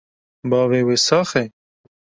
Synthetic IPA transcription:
bɑːveweːsɑːxe

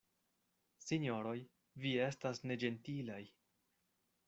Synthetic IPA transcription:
siɲo̞ɾo̞j | vie̞stasne̞d͡ʒe̞ntilaj

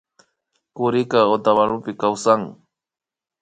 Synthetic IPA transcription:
kʊɾɪkaot̪aβanʊpɪkawsaŋ

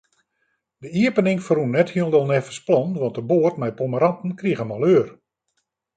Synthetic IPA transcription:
dəiəpənɪŋfərunːɛthiəlˠdɔlˠnɛfə̥splɔnʋɑntəboːrtmɛjpoməɾɑntn̩kriɣəmɔlˠøːr

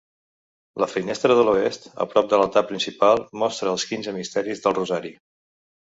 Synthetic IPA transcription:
ləfinɛst̪ɾəðəluest̪ə̰pɾɔp̚d̪ələt̪apːɾinsipalˠmɔst̪ɾəːlˠskinzəmist̪ɛɾizðəlˠruzaɾi

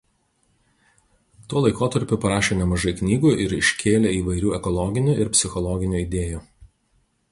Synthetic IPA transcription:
t̪uɔlˠɐɪkoːt̪ɐɾʲpʲʊpɐɾɑːʃʲeːnʲɛmɐʒɐɪknʲiːɡuːʔɪɾɪʃʲkʲʰeːlʲeːiːʋɐɪɾʲuːɛkɔlˠɔɡʲɪnʲuːˑʔɪɾpʲsʲɪxɔlˠɔɡʲɪnʲuːɪd̪ʲeːjuː

